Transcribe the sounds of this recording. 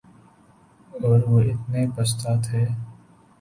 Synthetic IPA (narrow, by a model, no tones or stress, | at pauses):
ɔːɾʋoʔɪt̪nepəs̬t̪aːt̪ɦɛː